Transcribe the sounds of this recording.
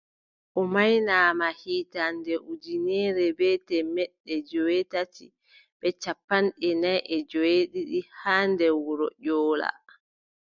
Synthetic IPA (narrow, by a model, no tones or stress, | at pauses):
ʔɔmajnaːmahiːtandɛʔud͡ʒinɛɾɛbɛtɛmɛɗːɛd͡ʒɔwetatḭ | b̥ɛt͡ʃapːanɗɛnajʔɛd͡ʒɔweɗiɗihaːndɛwuɾɔ̰ʔɔːla̰